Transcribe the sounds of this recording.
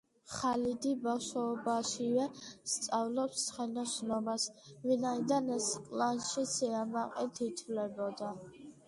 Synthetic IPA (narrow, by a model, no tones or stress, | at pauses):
χalid̪ibafʃɔbaʃivɛst̪sʼavlɔpssχɛnɔsnɔmasvinaid̪anɛsqʼlanʃisʰiamaqʼɛt̪ʰit̪ʰvlɛbɔd̪a